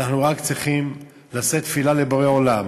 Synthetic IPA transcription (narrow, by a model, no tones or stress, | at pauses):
aχnuʁakt͡sʁiχim | lase̞t̪filale̞boʁeo̞lam